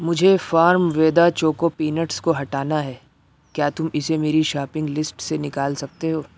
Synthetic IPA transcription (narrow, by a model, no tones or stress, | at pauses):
mʊd͡ʒʱefaːɾmʋeːd̪at͡ʃoːkopiːnəʈskoɦɐʈaːnaɦɛː | kjaːt̪ʊmɪsemeːɾiʃaːpɪ̃ŋɡlɪsʈsenɪkaːlsɐk̚t̪eɦoː